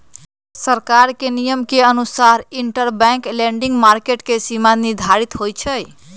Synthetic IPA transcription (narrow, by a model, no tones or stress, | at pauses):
səɾkaɾkenijəmkeənusaɾiɳʈəɾbɛ̃ŋkleɳɖiŋɡmaɾkeʈkesimaniɾd̪ʱaɾit̪ɦojt͡ʃʰəj